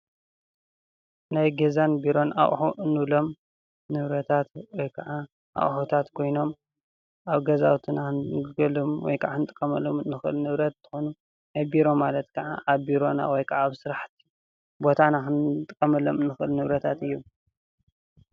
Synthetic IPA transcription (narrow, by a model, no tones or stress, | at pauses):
najɡezanbiɾo̞nʔa̰χʼħuʔɨnɨβlo̞m | nɨβɾɐt̪ʰat̪wɔjkʰɐʕa | ʔa̰χʼħut̪ʰat̪kʰo̞jno̞m | ʔaβɡɐza̰wt̪ʰɨnaɨnɨɡɐlomwɔ̰jkʰɐʕaɨnɨt̪ʼɨ̥kʼːɐmɐlomnɨxɨ̰lnɨβɾɐt̪̚t̪ʰːɨ̥xonu | najbiɾo̞malɐt̪kʰɐʕa̰ʔaβbiɾo̞na̰wɔjkʰɐʕaβsɨɾaħt̪ʰi̥ | bot̪ʰanaxɨnt̪ʼɨkʼːɐmɐlomnɨxɨlnɨβɾɐt̪ʰat̪ɨjːu